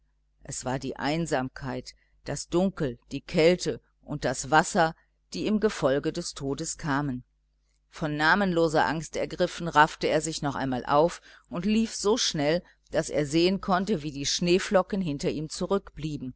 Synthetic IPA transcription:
ʔɛsv̥aːɐdḭːʔa̰ɪnzaːmkʰaɪt | d̥asd̥ʊŋkl̩d̥iːkʰɛltə | ʔʊnt̚d̥asv̥asɐ | d̥iːɪmɡəfɔlɡədɛstʰoːdəskʰaːmən | fɔnːaːmənloːzɐʔaŋstɛɐɡʁɪfn̩ʁaftəeːɐzɪçnɔχʔa̰ɪnmaːlʔa̰ʊf | ʔʊntliːfz̥oːʃnɛl | d̥asḛːɐzeːənkʰɔntəviːdiːʃneːflɔkn̩ɦɪntɐʔiːmt͡suʁʏkb̥liːbm̩

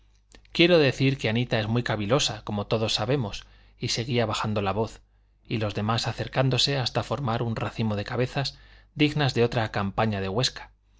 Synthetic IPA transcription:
kje̞ɾo̞ðe̞θiɾke̞anit̪ae̞zmujkaβilo̞sako̞mo̞t̪o̞ðo̞sːaβe̞mo̞s | ise̞ɣ̞iaβaxand̪o̞laβo̞θ | ilo̞zðe̞masaθe̞ɾkand̪o̞se̞ast̪afo̞ɾmaɾunraθimo̞ð̞e̞kaβ̞e̞θazd̪iɣnazðe̞o̞t̪ɾakampaɲaðe̞ɣwe̞skḁ

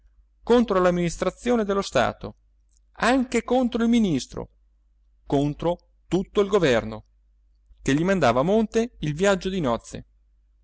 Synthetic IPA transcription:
kont̪ɾolamːinist̪ɾat̪sːjoːned̪elːost̪a̰ːt̪o̰ | aŋkekont̪ɾoilminist̪ɾo̰ | kont̪ɾo | t̪ut̪ːoilɡovɛrno | keʎːimand̪aːvaːmont̪eilvjad͡ʒːod̪inɔt̪sːḛ

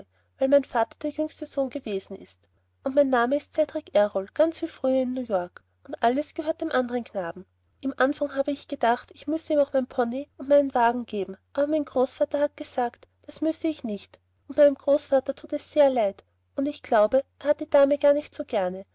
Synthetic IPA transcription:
væɪlmaɪnfaːtɐ̥d̥eːɐjʏŋstəzoːnɡəveːzn̩ɪ̰st | ʔʊntmaɪnːaːməɪstt͡sɛtʁɪkʔɛʁɔlɡ̥ant͡sv̥iːfʁ̥yːɐɪnːuːjɔɐk | ʊntʔaləsɡ̥əhøːɐt̚d̥eːmʔandəʁənknaːbm̩ | ʔɪmʔanfaŋɦaːbəɪçɡ̥ədaχtɪçmʏstəiːmaʊxmaɪnpʰɔniʊntmæɪnənvaːɡŋ̩ɡ̥eːbm̩ʔaːbɐmaɪnɡ̥ʁoːsfaːtɐhat̚ɡ̥əzaːktd̥asmʏstəɪçnɪçt | ʔʊntmaɪnəmɡ̥ʁoːsfaːtɐtʰuːtɛsːeːɐlaɪt | ʔʊndɪçɡ̥laʊbəʔeːɐhat̚d̥iːdaːməɡ̥aːɐnɪçtsoːɡ̥ɛɐnə

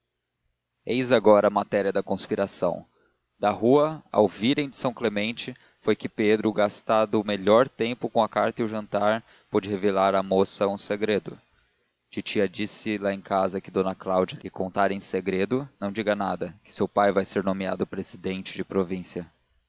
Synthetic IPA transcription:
ejzaɡɔɾɐmat̪ɛɾiɐd̪ɐkõspiɾasɐ̰̃w̃ | d̪̥ɐɦuɐa̰wviɾẽj̃d͡ʒɪsɐ̃w̃klemẽnt͡ʃɪ | fojkɪped̪ɾʊɡast̪ad̪ʊːmeʎɔɾt̪ẽmpʊkõɐkaɾt̪ɐʊʒɐ̃nt̪aɾ | pod͡ʒɪhevelaɾɐmosɐũseɡɾed̪ʊ | t͡ʃit͡ʃiɐd͡ʒisɪlaẽj̃kazɐkɪd̪õnɐklawd͡ʒɐɪkõnt̪aɾẽj̃seɡɾed̪ʊnɐ̃w̃d͡ʒiɡɐnad̪ɐkɪ̥sewpajvajseɾnõmia̰d̪ʊpɾezid̪ẽnt͡ʃɪd͡ʒɪpɾovĩsiɐ

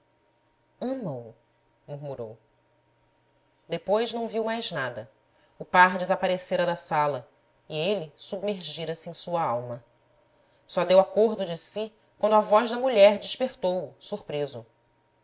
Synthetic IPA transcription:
ɐ̃mɐu | muɾmuɾo̰w | d̪epojʒnɐ̃w̃viwmajznad̪ɐ | ʊpaɾd͡ʒɪzapaɾeseɾɐd̪ɐsalɐ | ielɪsubmeɾʒiɾɐsɪẽj̃suɐawmɐ | sɔd̪ewakoɾd̪ʊd͡ʒɪsi | kwɐ̃nd̪ʊavɔʒd̪ɐmuʎɛɾd͡ʒɪʃpeχt̪owʊsuχpɾezʊ

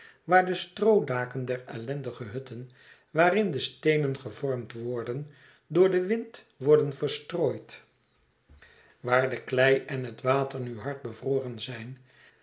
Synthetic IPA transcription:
ʋaːɹdəstrowdaːkəndɛɹɛlɛndəχəɦɵtən | ʋaːrɪndəstejnənχəvɔɹmtʋɔɹdən | dʊːɹdəʋɪnt | ʋɔɹdənvəɹstroːjt | ʋaːɹdəklɛjɛnɦətʋaːtəɹnyɦɑɹt̚bəvroːrənzɛjn

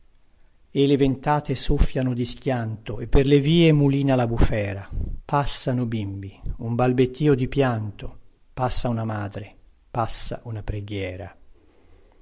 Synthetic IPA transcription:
elevent̪aːt̪esofːjanod̪iskjant̪oepːerleviːemuliːnalabufɛːɾapʰasːanobimbiumbalbet̪ːiːod̪ipjant̪o | pasːaunamaːd̪ɾe | pasːa̰ʔunapɾeɡjɛːɾa̰

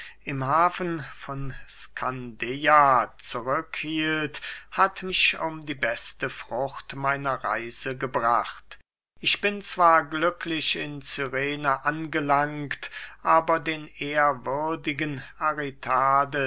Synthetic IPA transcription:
ʔɪmhaːfənfɔnskʰandeat͡suʁʏkhiːlthatmɪʃʊmdiːbɛstəfʁ̥ʊχtmaɪnɐʁa̰ɪzəɡəbʁaχt | ʔɪçb̥ɪnt͡sv̥aːɐɡlʏklɪʃɪnt͡syʁeːnəʔanɡəlaŋktʔaːbɐdeːnʔeːɐvʏɐdɪɡənʔaʁɛtʰaːdə

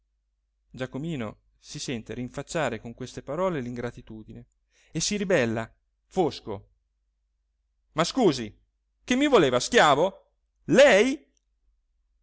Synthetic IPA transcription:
d͡ʒakomiːno̰ | sisɛnt̪eɾiɱfat͡ʃːaːɾekoŋkwest̪epaɾɔːleliŋɡɾat̪it̪uːd̪ine | esiɾibɛlːa | fosko̰ | maskuːzi | kemːivoleːvaskjaːvo | lɛj

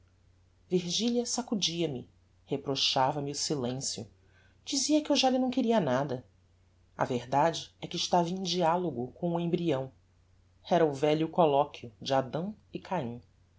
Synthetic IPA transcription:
viɾʒiljɐsakud͡ʒiɐmɪ | hepɾoʃavɐmɪʊsilẽsjʊ̰ | d͡ʒiziɐkɪewʒalɪnɐ̃w̃kɪɾiɐnad̪ɐ | ɐ̰vehd̪ad͡ʒɪɛkɪʃt̪avɐẽj̃d͡ʒialoɡʊkõw̃ẽmbɾiɐ̃w̃ | ɛɾɐʊvɛʎʊkolɔkʰjʊd͡ʒɪad̪ɐ̃w̃ | ɪkʰaĩ

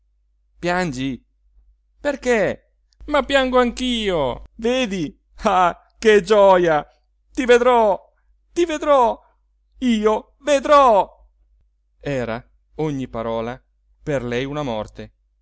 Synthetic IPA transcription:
pjand͡ʒi | perke | mapːjaŋɡoaŋk̟iːoveːd̪i | a | ked͡ʒɔja | t̪ived̪ɾɔ | t̪ived̪ɾɔ | iːo | ved̪ɾɔ | ɛːɾa | oɲːipaɾɔːla | perlɛjunamɔ̰rt̪e

